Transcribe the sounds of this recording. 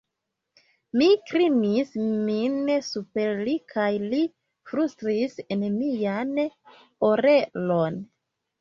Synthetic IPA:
mikɾinisminsupeɾlikʰajli | fɾustɾisenmijan | oɾelo̞n

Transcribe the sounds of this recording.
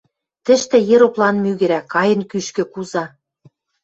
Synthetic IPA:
t̪ɘ̆ʃt̪ĕjĕɾoplɑnmyɣɘ̆ɾækɑjə̆nkyʃkø̆kuzɑ

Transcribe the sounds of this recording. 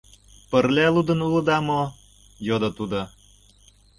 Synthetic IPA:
pərlʲælud̪ə̆nulɤ̆d̪ɑmo | jod̪ot̪ud̪o

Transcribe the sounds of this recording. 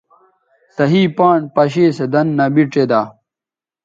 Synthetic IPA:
sɐɦiːpaːɳpɐɕeːsed̪ɐnːɐbiʈ͡ʂed̪aː

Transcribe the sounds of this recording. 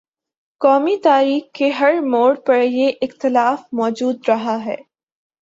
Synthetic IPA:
kɔːmit̪aːɾiːxkeɦɐɾmoːɽpɐɽjeʔɪxt̪ɪlaːfmɔːd͡ʒuːd̪ɾɐɦaɦɛ̰ː

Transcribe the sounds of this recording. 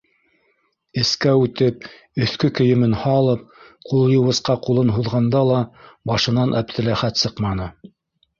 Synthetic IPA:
ɘ̆skæʉt̪ɘp̚ | ɵ̆θkɵkɵ̆jɘ̆mɘnhɑlˠɤp̚qulˠjɤ̆wɤ̆sqɑqulˠɤnɦuðʁɑnd̪ɑlˠɑbɑʃɤ̆nɑnʔæp̚t̪ʰɘ̆læχæt̪sɤqmɑnɤ

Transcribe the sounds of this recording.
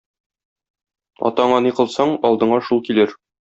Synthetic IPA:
ɒ̰t̪ɑɴɑniqɤ̆lˠsɑɴɒlˠd̪ɤ̆ɴɑʃulˠkilɘɾ

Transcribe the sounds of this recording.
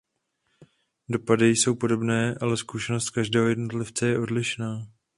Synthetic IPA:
do̞padɪjso̞wpo̞do̞bnɛːʔalɛskuʃɛnost̪̚kaʒdɛːɦo̞jɛdnot̪lɪft͡sɛjɛʔo̞dlɪʃnaː

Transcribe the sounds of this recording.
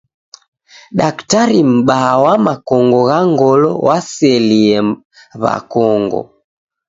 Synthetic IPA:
ɗaktaɾim̩ɓawamakɔŋɡɔɣaŋɡɔlɔ̰wasɛliɛ | βa̰kɔŋɡɔ̰

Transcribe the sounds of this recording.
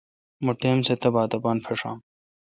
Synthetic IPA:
muʈeːmset̪ɐbaːt̪ɐpaːnpʰɐʂã̰ː

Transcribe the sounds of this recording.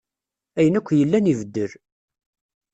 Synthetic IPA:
æjənækʷːjəlːænivəd̪ːəɾ

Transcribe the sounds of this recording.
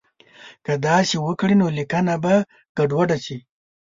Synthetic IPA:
kad̪ɑʃiwəkɽinolikanaba | ɡ̥aɖwaɖat͡ʃi

